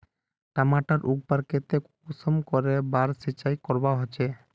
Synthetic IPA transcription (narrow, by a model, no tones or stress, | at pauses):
ʈamaʈaɾʔuɡ̚baɾket̪e | usɔmkɔɾebaɾsit͡ʃajkɔɾbaɦot͡ʃʰe